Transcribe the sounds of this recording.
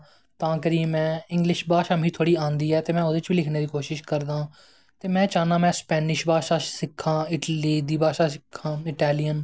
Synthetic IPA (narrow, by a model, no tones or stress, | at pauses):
t̪ãːkəɾĩːmɛ̃ːɪ̃ŋɡlɪʃbaːʃaːmĩːt̪ʰoːɽiːãːnd̪iːɛːt̪eːmɛ̃ːod̪et͡ʃbiːlɪkʰneːd̪iːkoːʃɪʃkəɾd̪ãː | t̪eːmɛ̃ːt͡ʃãːnd̪ãːmɛ̃ːspɛːnɪʃbaːʃaːsɪkʰːãːɪʈliːd̪iːbaːʃaːsɪkʰːãːɪʈɛːlijən